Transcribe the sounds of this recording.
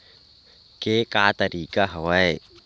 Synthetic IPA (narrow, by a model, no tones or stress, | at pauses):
kekat̪aɾikaɦawae